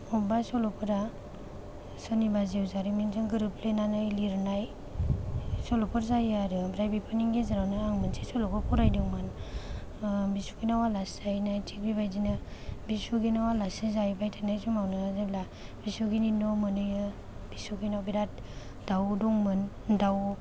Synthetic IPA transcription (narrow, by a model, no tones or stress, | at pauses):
ɔbasɔlɔpʰɔɾa | sɔnibaziwzaɾiminzɯŋɡɯɾɯplenanɯjliɾnaj | sɔlɔpʰɯɾzajaɾɯbɾajbipʰɯniŋɡezaɾawnɯaŋmɯnsʰesɔlɔkɔpʰɔɾajdɯman | bisu̥ɡinawalaszajnajtʰik̚bibajzinɯbisuɡinawalasizajbajtʰanajzumawnɯːzebla | bisuɡininɔmɯnɯjɯ | b̥isuɡinawbiɾat̚ | d̥awdɔŋmɯn | daw